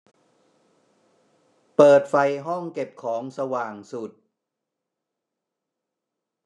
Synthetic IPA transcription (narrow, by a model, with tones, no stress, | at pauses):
pɤː˨˩t̪̚fa˧jɦɔ˥˩ŋke˨˩p̚kʰɔː˩˦ŋsa˧waː˨˩ŋsu˨˩t̪̚